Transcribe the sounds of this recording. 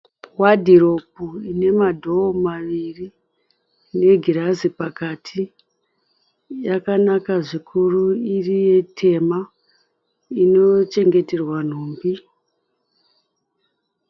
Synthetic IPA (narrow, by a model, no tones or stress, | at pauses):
wadʱiɾo̞p̚uine̞madʱo̞ːmaʋiri | ne̞ɡʱirazipakatʰi | jakanakaʐikʰuruirije̞tʰe̞ma | ino̞t͡ʃe̞ŋɡe̞te̞rwan̤oːmbi